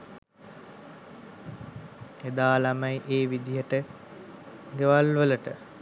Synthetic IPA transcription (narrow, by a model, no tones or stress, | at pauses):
ed̪aːlaməjʔeːʋid̪ijəʈə | ɡeʋalʋələʈə